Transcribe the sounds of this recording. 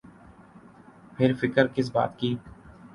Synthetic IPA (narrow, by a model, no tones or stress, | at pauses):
pʰɪɾfɪkəɾkɪs̬ba̰ːt̪kiː